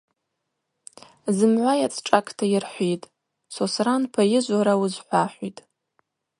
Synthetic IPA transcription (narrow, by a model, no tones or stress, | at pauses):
zɨmʕʷajat͡sʼʰʈ͡ʂʼakʼʰtʰajɪrħʷitʼ | sosranpʰajɪʒʷaɾawuzħʷaħʷitʼ